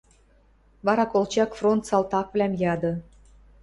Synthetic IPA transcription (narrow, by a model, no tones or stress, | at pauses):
βɑɾɑkolt͡ɕɑkfront̪sɑlt̪ɑkvlʲæmjɑd̪ɤ̆